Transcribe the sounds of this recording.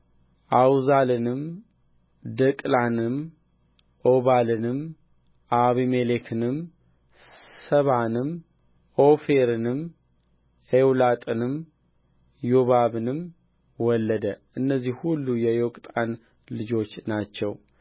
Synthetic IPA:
ʔawzalɨnɨm | d̪əkʼlanɨm | ʔoβalɨnɨm | ʔaβimelekʰɨnɨm | səβanɨm | ofeɾɨnɨm | ewlat̪ʼɨnɨm | joβaβɨnɨm | wɔlːəd̪əʔɨnːəzːihhulːujɛjokʼt̪ʼan | lɨd͡ʒo̞t͡ʃːnat͡ʃːɛw

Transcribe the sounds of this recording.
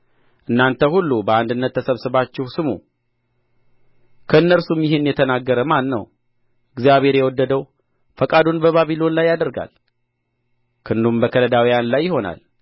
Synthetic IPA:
ʔɨnːant̪ʰəhulːubəand̪ɨnːət̪ʰːəsəβsɨβat͡ʃːɪhsɨmṵ | kʰəɨnːəlsumjɪhɪnjɛt̪ʰənaɡːəɾəmanːə̰w | ɨɡzijaβhe̞ɾjɛwɔd̪ːəd̪əw | fəkʼad̪onbəβaβilo̞nlajːad̪əɾɡa̰l | kʰɨnd̪umbəkʰələd̪awijanlajːɪho̞na̰l

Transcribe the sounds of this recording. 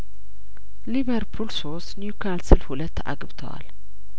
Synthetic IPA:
liβəɾpʰulsost̪njukʰalsɨlhulət̪ːa̰ɡbt̪ʰə̰wa̰l

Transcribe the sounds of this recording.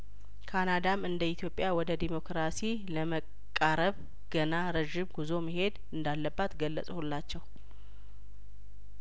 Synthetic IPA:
kʰanad̪amɨnd̪əit̪ʰjo̞pʼːjawɔd̪əd̪imo̞kʰɾasi | ləməkkʼːaɾəβ | ɡ̥ənaɾəʒɪmɡuzo̞məɦe̞d̪ɨnd̪alːəbːat̪ɡəlːəsʼhulːat͡ʃːɛw

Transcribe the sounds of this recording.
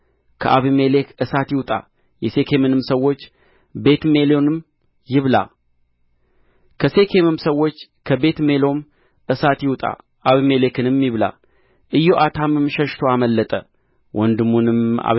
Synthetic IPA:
kʰə̰ʔaβimelekɨsat̪jɪwt̪ʼa̰ | jɛse̞kʰe̞mɨnɨmsəwːo̞t͡ʃː | be̞t̪me̞lo̞nɨm | jɪβla̰ | kʰəse̞kʰe̞mɨmsəwːo̞t͡ʃː | kʰəbe̞t̪me̞lo̞m | ɨsat̪jɪwt̪ʼa̰ | ʔaβime̞le̞kʰɨnɨmjɪβla̰ | ʔɨjoʔat̪ʰamɨmʃɛʃt̪ʰoaməlːət̪ʼə | wʔɔnd̪ɨmːunɨma̰

